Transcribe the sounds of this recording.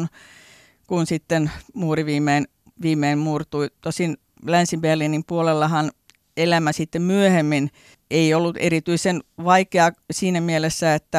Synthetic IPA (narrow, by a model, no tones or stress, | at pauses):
n | kunsit̪ːenmuːriʋiːmˑein | ʋiːmˑeːmmuːrt̪uit̪osin | lænsiʋelːinimpuolelːɑhɑn | elæmæsit̪ːemmyøhemːin | eiolːut̪ḛɾit̪yisenʋɑikeɑsiːnæmielesːæet̪ːæ